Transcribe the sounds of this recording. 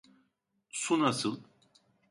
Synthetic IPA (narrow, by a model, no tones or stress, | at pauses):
sunasɯlˠ